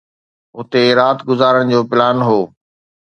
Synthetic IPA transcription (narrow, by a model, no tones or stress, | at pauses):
ʊt̪eɾaːt̪ɡʊzaːɾəɽ̃d͡ʑoːpɪlaːnɦoː